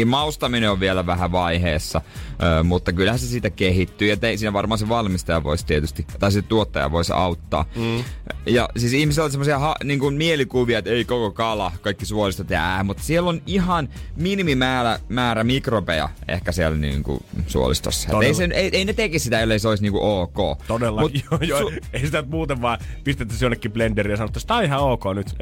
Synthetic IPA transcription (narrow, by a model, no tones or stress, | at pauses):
mɑust̪ɑmineoʋʋielæʋæhæʋɑiheːsːɑʔøːmut̪ːɑkylhænsesit̪ækehit̪ːyːɑt̪ːeisiːnæʋɑrmɑːnseʋɑlmist̪ɑjɑʋo̰ist̪iet̪yst̪it̪ɑisit̪t̪uot̪ːɑ̰jɑ̰ʋoisɑ̰ut̪ːɑ̰ː | jɑ̰siːsihmiselolsemːosiɑhɑniːŋkunmielikuʋiɑet̪eikokokɑlɑkɑikːisuolist̪ot̪eæːmut̪ːsielːonihɑnminimimæːlæmæːɾæmikropejɑ̰ḛhkæsielnḭːŋkṵsṵo̰lḭst̪o̰sːɑ̰t̪eiseneieinet̪ekissit̪æelːeiseoisniːŋkuʔoːko̰ːt̪odelːɑmut̪seisit̪ænt̪muːt̪eʋʋɑːpist̪et̪ːæsionːekːiplenderiːjɑsɑnot̪ːst̪ɑihɑoːkoːnyt̪